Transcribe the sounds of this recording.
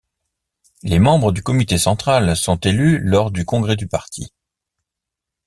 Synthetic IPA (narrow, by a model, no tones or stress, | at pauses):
lemɑ̃bʁəd̪ykɔmit̪esɑ̃t̪χalsɔ̃t̪elylɔʁd̪ykɔ̃ɡʁed̪ypaʁt̪ʰḭ